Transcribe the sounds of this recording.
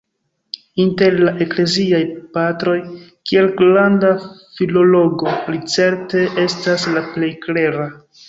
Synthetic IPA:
inte̞ɾlaʔe̞kle̞ziajpatɾo̞jkielklandafilo̞lo̞ɡo̞lit͡se̞ɾte̞ʔe̞staslaple̞jkle̞ɾa

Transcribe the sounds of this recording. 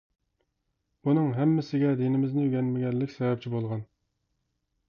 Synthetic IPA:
b̥unɨŋɦɛmːɪsɪɡʲɛd̪inɪmɪznɪyɡʲɛnmɪɡʲɛlːɪkʲsɛvɛp̚ʲt͡ʃʰibolˠʁɑn

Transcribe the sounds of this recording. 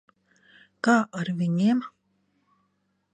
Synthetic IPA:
kaːʔaɾvʲiɲʲim

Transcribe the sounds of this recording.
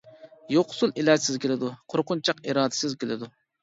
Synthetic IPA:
joqʰʊ̥sulˠilɛɾsɪzkʲelɪd̪uqʰoɾqʊnt͡ʃʰɑqiɾɑːd̪ɪ̥sɪzkʲʰelɪ̰d̪u

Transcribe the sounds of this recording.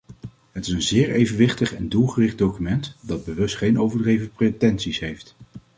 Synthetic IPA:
ɦətɪsənzɪːɹejvənʋɪχtəχɛndulˠχərɪχd̚dowkymɛntdɑd̚bəʋɵstχejnowvəɹdrejvənpretɛnsisɦejft

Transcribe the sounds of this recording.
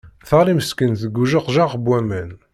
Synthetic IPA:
θəliməskənθəɡːuʒəqʒaʁbwæmæn

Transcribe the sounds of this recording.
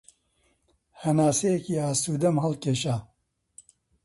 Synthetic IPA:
hɐnaːsejɛkiːaːsuːd̪ɐmɦɐlkeːʃaː

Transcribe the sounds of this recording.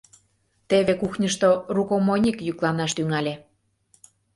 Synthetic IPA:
t̪eβekuxnʲəʃt̪orukomonʲikjyklɑnɑʃt̪yŋɑlʲe

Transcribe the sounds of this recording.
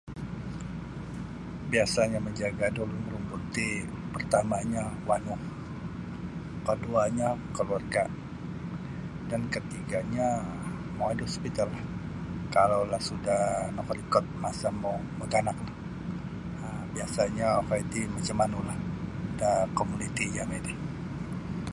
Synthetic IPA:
biasaɲaməɲd͡ʒaɡadoluməɾumbut̪i | pərt̪amaɲawanak | kəduaɲakəluarɡa | dankət̪iɡaɲa | mawadospit̪alːah | kalawlahsudahnɔkɾikɔt̪̚masamawmot̪anak̚nah | ə | biasaɲakait̪imat͡ʃəmanulahdakomunit̪id͡ʒamedɛh

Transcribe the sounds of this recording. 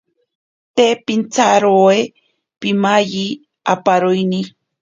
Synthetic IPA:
t̪epint͡saɾoe | pimaji | apaɾujni

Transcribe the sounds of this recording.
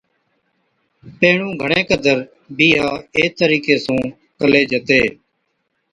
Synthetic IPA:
peːɳũːɡʱəɳẽːkəd̪əɾ | biːɦaːeːt̪əɾiːkeːsũː | kəleːd͡ʒət̪eː

